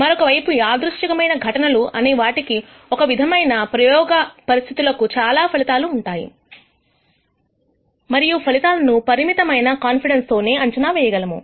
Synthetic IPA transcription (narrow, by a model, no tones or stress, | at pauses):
mɐɾɔkɐʋɐjpuaːd̪ɾuʂʈɐkɐmɐjnɐɡʱɐʈɐnɐluʔɐneːʋaːʈiki | ɔkɐʋid̪ʱɐmɐjnɐpɾɐjɔːɡɐpɐɾist̪ʰit̪ulɐkut͡ʃaːlaːpʰɐlit̪aːluːɳʈaːjḭ | mɐɾijupʰɐlit̪aːlɐnupɐɾimit̪ɐmɐjnɐkaːnpiɽenst̪o̞ːne̞ːɐɲt͡ʃunaːʋɛːjɐɡɐlɐmṵ